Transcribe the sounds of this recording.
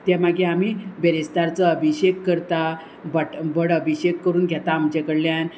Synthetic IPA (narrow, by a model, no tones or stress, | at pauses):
t̪jamaɡẽamibəɾist̪aɾt͡səəbʱiɕekːəɾt̪a | bəʈbəɽəbʱiɕekːəɾuːnɡʱjat̪am̤əd͡ʑekəɽljan